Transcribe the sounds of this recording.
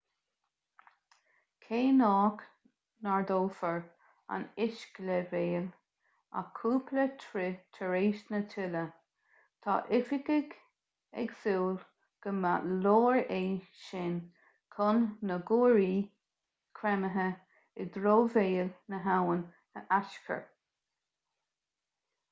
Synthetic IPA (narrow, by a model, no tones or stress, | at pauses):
kʰeːnɑːk | naɹd̪oːfəɹ | a̰nɪʃkləveːl | a̰kʰuːpʰlət̪ʰɾɪt̪ʰəɹeːsnət̪ʰɪlə | t̪ʰɑ̰ːʔɪfɪɡɪɡ | ɛ̰ɡsuːl | ɡ̥əma̰loːɹeːʃɪn | kʰʊnːəɡuːɹiː | kʰɾɛməɦə | ɪd̪ɾoːveːlnəɦawən | əʔaʃkʰə̰ɹ